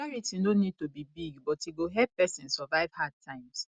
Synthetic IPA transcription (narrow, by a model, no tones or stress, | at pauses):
aɹitinonid̚tobibiɡbɔteɡoɦɛp̚pɛsĩnsɔvaɪv̥had̚tʰãɪ̃ms